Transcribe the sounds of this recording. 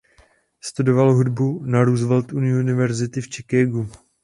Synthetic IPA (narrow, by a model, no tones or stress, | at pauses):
st̪udo̞valɦudbunaɾuːzvɛlt̪unɪunɪvɛɾzɪt̪ɪft͡ʃɛkɛɡu